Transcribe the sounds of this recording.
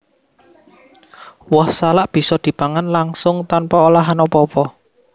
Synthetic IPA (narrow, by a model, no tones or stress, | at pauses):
wɔhsalaʔb̥i̤sɔd̪̥i̤b̥aŋanlaŋsʊŋt̪anpaolaɦanɔpɔpɔ